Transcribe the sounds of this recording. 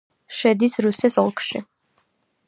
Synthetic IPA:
ʃɛd̪isɾusɛsɔlˠkʰʃḭ

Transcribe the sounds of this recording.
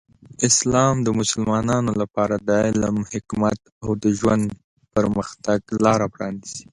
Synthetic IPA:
ɪslɑmd̪əmʊsəlmɑnɑnolapɑɾad̪əlamhɪkmat̪ | awd̪əʒwand̪ | pəɾməxt̪aɡlɑɾapɾɑniz̥i̥

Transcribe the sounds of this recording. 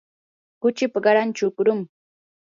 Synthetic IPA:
kʊt͡ʃɪpaɢɑɾant͡ʃʊkʊɾʊm

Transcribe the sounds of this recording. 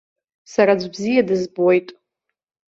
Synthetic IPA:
saɾad͡ʒʷbzijadɨzbojtʼ

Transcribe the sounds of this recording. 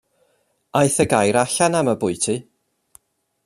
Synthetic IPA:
ajθəɡajɾaɬanaməbʊɨtʰi

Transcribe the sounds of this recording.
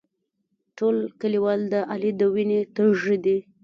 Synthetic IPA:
ʈolkəliwɑld̪əʔalid̪əwinet̪əʒəd̪i

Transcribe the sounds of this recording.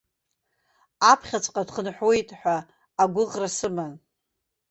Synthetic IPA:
apʰχʲat͡sʷʼqʼadχənħʷojtʼħʷᶣaː | ɡʷʊʁrasɨman

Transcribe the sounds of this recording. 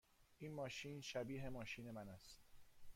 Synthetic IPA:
ʔiːnmɒːʃiːnʃæbiːɦe̞mɒːʃiːne̞mænæst̪

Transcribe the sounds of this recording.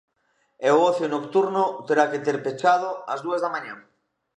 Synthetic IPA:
eooθjonokt̪uɾnʊt̪eɾaket̪eɾpet͡ʃað̞ʊɐzðuazðamãɲãŋ

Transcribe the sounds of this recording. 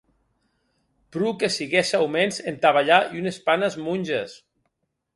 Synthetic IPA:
pɾukesiɣɛʃawmenzent̪aβaʎaiunespanezmunʲʒes

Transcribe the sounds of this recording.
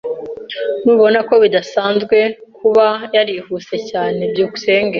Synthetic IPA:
nuːβo̞nako̞βidasaːnzɡwe̞kʰuβajaɾihuse̞caːne̞bɟuːku̥se̞ːŋɡe

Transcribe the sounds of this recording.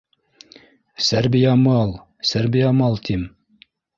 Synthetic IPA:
sæɾbijɑmɑlˠ | sæɾbijɑmɑlˠt̪ʰim

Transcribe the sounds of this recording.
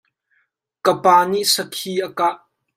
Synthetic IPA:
kəpaːniʔsəkʰiʔəkaʔ

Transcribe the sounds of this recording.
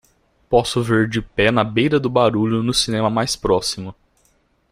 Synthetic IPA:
pɔsʊveɾd͡ʒɪpɛnɐbejɾɐd̪ʊbaɾuʎʊnʊsinẽmɐmajspɾɔsimʊ

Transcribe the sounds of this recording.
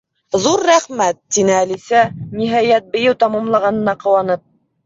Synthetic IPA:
ðuɾːæχmæt̪ːinɘælisæniɦæjæt̪̚bɘ̆jɘwt̪ɑmɑmlˠɑʁɑnɤ̆nɑqɤ̆wɑnɤp̚

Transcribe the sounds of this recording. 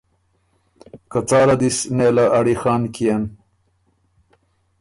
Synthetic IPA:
kɐt͡sɑːɾad̪isnelaʔːɽixɑːnkian

